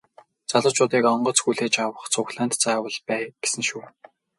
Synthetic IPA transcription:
t͡saɮʊ̆wt͡ɕʊːt̪iːkɔɴɢɞ̆t͡sxuɮeːt͡ɕawə̆χt͡sʰʊxɮaːnt̪t͡saːwə̆ɮpæːɡ̥e̥sɘ̆nʃuː

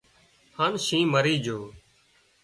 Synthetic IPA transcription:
haːnʃĩːməɾiːd͡ʒʱoː

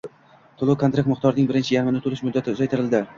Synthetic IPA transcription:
t̪ʰʊlˠʊkʰont̪ɾak̚t̪mʊχt̪ʰɒɾnɪŋbɪɾɪnt͡ʃʰɪjaɾmɪnɪt̪ʰʊlɪʃmʊd̪ːat̪ʰɪːzajt̪ʰɪɾɪld̪ɪ

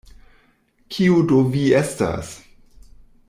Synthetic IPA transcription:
kʰiudoviesta̰s

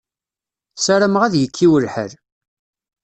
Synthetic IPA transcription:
saɾəmʁæðjəkʰːiwəlħə̰ɾ

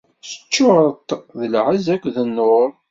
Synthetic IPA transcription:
sə̥t͡ʃːʊɾət̪ˤðəlʕəzækʷːðənːʊɾˤ

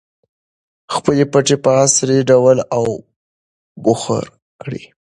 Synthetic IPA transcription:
xpəlepaʈepaasɾeɖawəlaw | bʊxa̰ɾ | kɽḭ

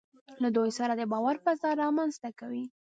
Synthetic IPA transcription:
lad̪ojsaɾad̪əbɑwaɾpazɑɾːɑmanzt̪akawi

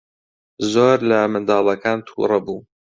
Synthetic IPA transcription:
zoːɾlɐmɨnd̪ɑːlˠɐkaːnt̪ʰṵrˤɑbuː

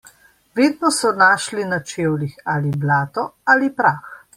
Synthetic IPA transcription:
ʋeːd̪nɔsɔnaːʃlinat͡ʃeːwlixaːliblaːt̪ɔalipɾaːx

